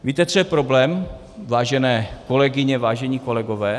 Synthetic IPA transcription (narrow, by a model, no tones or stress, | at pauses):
viːt̪ɛt̪r̥ɛpɾoblɛːm | vaːʒɛnɛːko̞lɛɡɪɲɛvaːʒɛɲiko̞lɛɡovɛː